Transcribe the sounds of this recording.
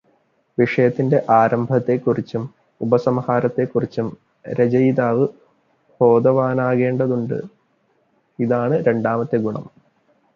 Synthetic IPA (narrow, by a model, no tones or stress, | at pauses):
ʋiʂɐjɐt̪ːinde̞ʔaːɾɐmbʱɐt̪ːekːurit͡ɕːum | ubɐsɐmhaːɾɐt̪ːe̞kːurit͡ɕːum | ɾed͡ʑɐjd̪aːʋɨ | bʱo̞ːd̪ɐʋaːnaːɣe̞ːɳɖɐðuɳɖɨ̰ | iðaːɳɨɾe̞ɳɖaːmɐt̪ːeɡuɳɐ̰m